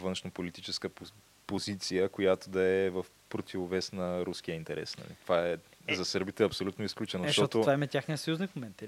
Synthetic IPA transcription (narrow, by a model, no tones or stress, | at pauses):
vənʃnopolit̪it͡ʃɛskə | pozit̪sijəkojat̪od̪ɐɛvəf | pɾot̪ʲivovɛsnɐɾusk̟ijəint̪ɛɾɛ̰snɐ̰lḭt̪ovaɛzɐsɤɾbit̪ɛɐpsolʲut̪noisklʲut͡ʃɛnoʃt̪oɔt̪ovaimɛt̪ʲaxnijəsɐjuznikmomɛnt̪